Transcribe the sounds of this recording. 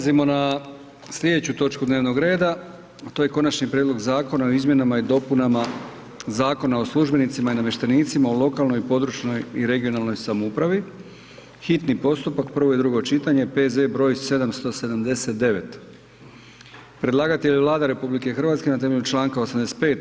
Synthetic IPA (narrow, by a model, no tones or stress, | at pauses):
zimo̞na | slʎʲe̞d̪e̞t͡ɕut̪o̞t͡ʃkud̪ne̞ːʋno̞ɡɾe̞ːd̪a | t̪oje̞ko̞nat͡ʃnipɾʲed̪lo̞ɡzaːko̞nao̞izmje̞namaid̪o̞punama | zaːko̞nao̞slˠuʒbe̞nit̪simainamje̞ʃt̪eniːt̪simaolˠo̞kalˠno̞jpo̞d̪ɾut͡ʃno̞jiɾe̞ɡio̞nalˠno̞jsamoupɾaʋi | xit̪nipo̞st̪upakpr̩ʋo̞jed̪ɾuɡo̞t͡ʃit̪aɲe̞pe̞ze̞bɾo̞ːjse̞d̪amst̪o̞se̞d̪amd̪ese̞t̪̚d̪e̞ʋe̞t̪ | pɾe̞d̪lˠaːɡat̪eʎʋlˠaːd̪aɾe̞publike̞xr̩ʋat̪ske̞nat̪e̞me̞ʎut͡ʃlˠaːŋkaosamd̪est̪̚pe̞ːt̪